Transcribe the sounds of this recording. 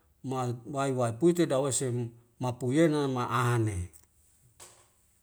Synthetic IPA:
mawaiwaipuit̪̬edawese | mapujenamaʔane

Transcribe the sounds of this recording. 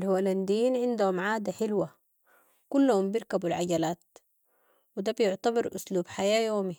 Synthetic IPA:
lhuwaland̪ijiːnʕɪnd̪uhumʕaːd̪aħɪlwa | kulːahumbiɾkabulʕaɟalaːt̪̚ | wid̪abjʊʕt̪abɑɾʔʊsluːbħajaːjoːmi

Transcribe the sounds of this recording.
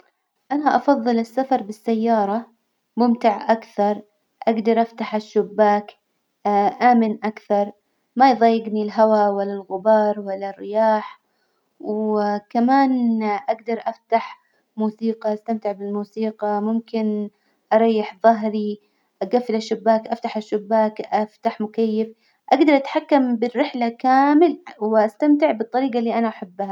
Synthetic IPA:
ʔanaʔɑfɑðˤːɨlɪsːafɑɾˤbɪsːajːɑːɾˤɑ | mʊmt̪ɪʕʔakθɑɾˤ | ʔaɡd̪ɑɾˤʔaft̪aħɪʃːʊbːaːk | ʔaːmɪnʔakθɑɾˤ | majðˤɑjːɪɡnilɦawawalːalɣʊbɑːɾˤwalːarːɪjaːħ | wkamaːnʔaɡd̪ɑɾˤʔaft̪aħ | muːsiːqɑʔast̪amt̪ɪʕbɪlmuːsiːqɑmʊmkɪn | ʔɑɾˤɑjːɪħðˤɑɦɾi | ʔaɡafːɪlaʃːʊbːaːkʔaft̪aħaʃːʊbːaːkʔaft̪aħmʊkajːɪf | ʔaɡd̪ɑɾˤʔat̪ħakːambɪrːɪħlakaːmɪlwɪʔast̪amt̪ɪʕbɨt̪ˤːɑɾiːɡalːiːʔanaʔaħabːha

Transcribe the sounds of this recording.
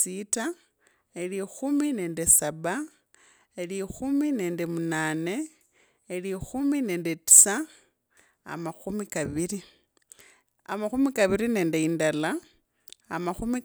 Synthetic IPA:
sita | elixumine̞ːndesaβa | elixumine̞ːndemunane̞ː | lixumine̞ːndeti̥sa | a̰maxumikaβiɾi | a̰maxumikaβiɾine̞ːndeindala̰ː | maxumi

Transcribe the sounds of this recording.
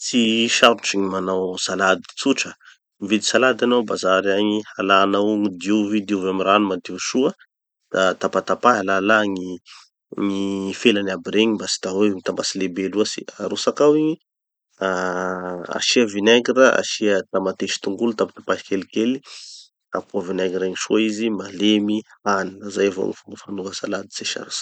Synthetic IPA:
t͡siʃaɾʈ͡ʂiŋimanawsalad̪i̥t͡suʈ͡ʂə | mivid̪isalad̪anawbazaɾaɲihalanauŋid̪juvid̪iuvamiranumat̪iʃuə | d̪̥at̪apat̪apalalaŋi | ŋifelanabiɾeɲimbasi̥t̪awewmit̪amasilebeluasḭaɾusakawiɲi | a | a̰ʃiəvinɛɡɾəa̰ʃiət̪amat̪eʃi̥t̪uŋɡulut̪apḁt̪ḁpaʃi̥kelikeli | a̰puavinɛɡiɾeŋiʃuaizimalemianinazajavo̰ŋifumbəfanuvəsalad̪i̥seʃa̰ɾusḁ

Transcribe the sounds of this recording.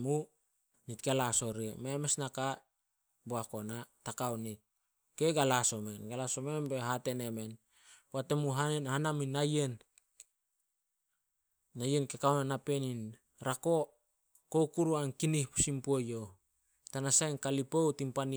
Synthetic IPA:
mu | nitɡalaso̞ɾiememesnaka | boako̞natakawnit̚ | ke̞ɡalaso̞me̞nɡalaso̞me̞nbe̞ɦate̞ne̞me̞n | poate̞muɦanhanaminːajen | aje̞nkekawnanape̞nin | ɾako̞ | ko̞kuɾuankinihpu̥simpuojo̞ | tanasajnkalipo̞wtimpani

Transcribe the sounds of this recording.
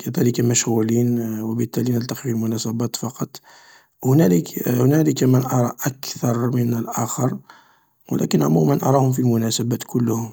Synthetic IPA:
kʰæd̪æləkamæʃɣulinwəbət̪ːælinəlt̪ɑqifilmʊnæsæbæt̪fɑqɑt̪ˤ | hʊnæləkhʊnæləkæmənʔɑɾˤɑʔækθɑɾˤmənəlʔæxɑɾˤ | wə̰læ̰kənʕmumænʔɑ̰ɾˤɑhʊmfilmʊnæsæbæt̪kʊlːhʊm

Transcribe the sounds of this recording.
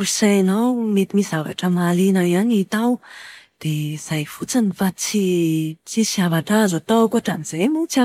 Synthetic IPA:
uisajenawmet̪imisava̰ʈ͡ʂəmalinaiaɲit̪awd̪̥ez̥ajfut͡sanifat͡sit͡sisiavaʈ͡ʂaazot̪akuaʈ͡ʂaniz̥ajmunit͡sia

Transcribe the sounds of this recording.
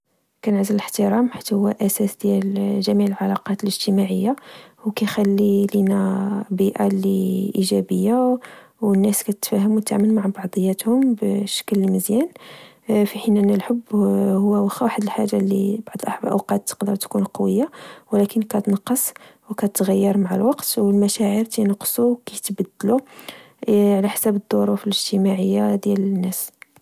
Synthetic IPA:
kænʕzələləħt̪əɾˤɑmħit̪ːhʊwːæʔæsæsd̪jælʒæmiʕəlʕɑlɑqɑt̪ələʒt̪əmaʕəjːawkæjxælːilinabiʔaliʔiʒæbəjːawənːæskæt̪ət̪fæhəmwt̪ːaʕmənmaʕbɑʕd̪ˤəjːæt̪hʊmbʃə̥kəlməzjæn | fiħinʔænːælħəbːhʊwːæwxwaħəd̪əlħaʒːalːḭbɑʕd̪ˤəlʔɑħblʔə̰wqɑt̪ːqd̪əɾˤt̪kunqɑwəjːawlækənkæt̪nɑqːɑsˤwkæt̪ɣæjːɑɾˤmaʕa̰lwɑqt̪wəlmæʃæʕəɾt̪inɑqːsˤuwkit̪bæd̪ːlu | ʕlæħsæbəd̪ˤːoɾˤufələʒt̪əmaʕəjːad̪jælənːæs

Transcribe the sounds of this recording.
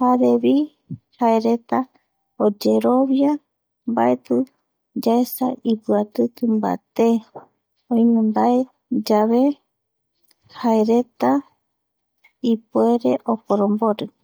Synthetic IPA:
haɾeβi | haeɾe̞t̪a | od͡ʒeɾo̞βja | mbaet̪ɨ | d͡ʒaesa̰ʔipɨat̪ɨkɨmba̰t̪e | õjnũnd̪ae | d͡ʒaβe̞ | haeɾet̪a | ipueɾe̞ʔopoɾomboɾɨ

